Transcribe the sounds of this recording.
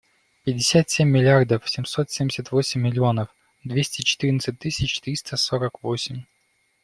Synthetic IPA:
pʲɪdʲːɪsʲat̪sʲemʲːɪlʲɪard̪əfsʲɪmso̞t̪sʲemʲdʲɪsʲət̪vo̞sʲɪmʲːɪlʲɪo̞nəf | d̪vʲesʲtʲɪt͡ɕɪ̥t̪ɨɾʲnət̪sɨt̚ʲt̪ːɨsʲɪt͡ɕt̪ɾʲist̪əsoɾəkvo̞sʲɪmʲ

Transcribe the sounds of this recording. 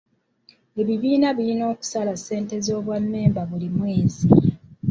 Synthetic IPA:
e̞βiβiːnaβilino̞ːku̥salase̞ːnte̞zo̞ːβwanːe̞ːmbaβulimweːzi

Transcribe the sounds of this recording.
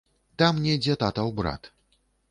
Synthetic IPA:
t̪amnʲɛjd͡zʲɛt̪at̪ɐwbɾa̰t̪

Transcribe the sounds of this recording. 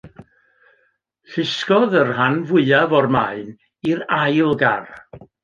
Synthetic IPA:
ɬɪskɔðərɦanvʊɨavɔrmaɨn | irajlˠɡar

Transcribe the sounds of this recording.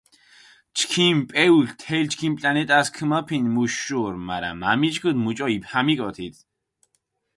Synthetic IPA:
t͡ʃʰkʰimpʼɛuɬt̪ʰɛlt͡ʃʰkʰimpʼlanɛt̪ʼaskʰɨmɔpʰinmuʃːuɾma̰ɾa̰mamit͡ʃʼɡʰɨd̪mut͡ʃʼɔipʰamikʼɔt̪ʰit̪ʰ

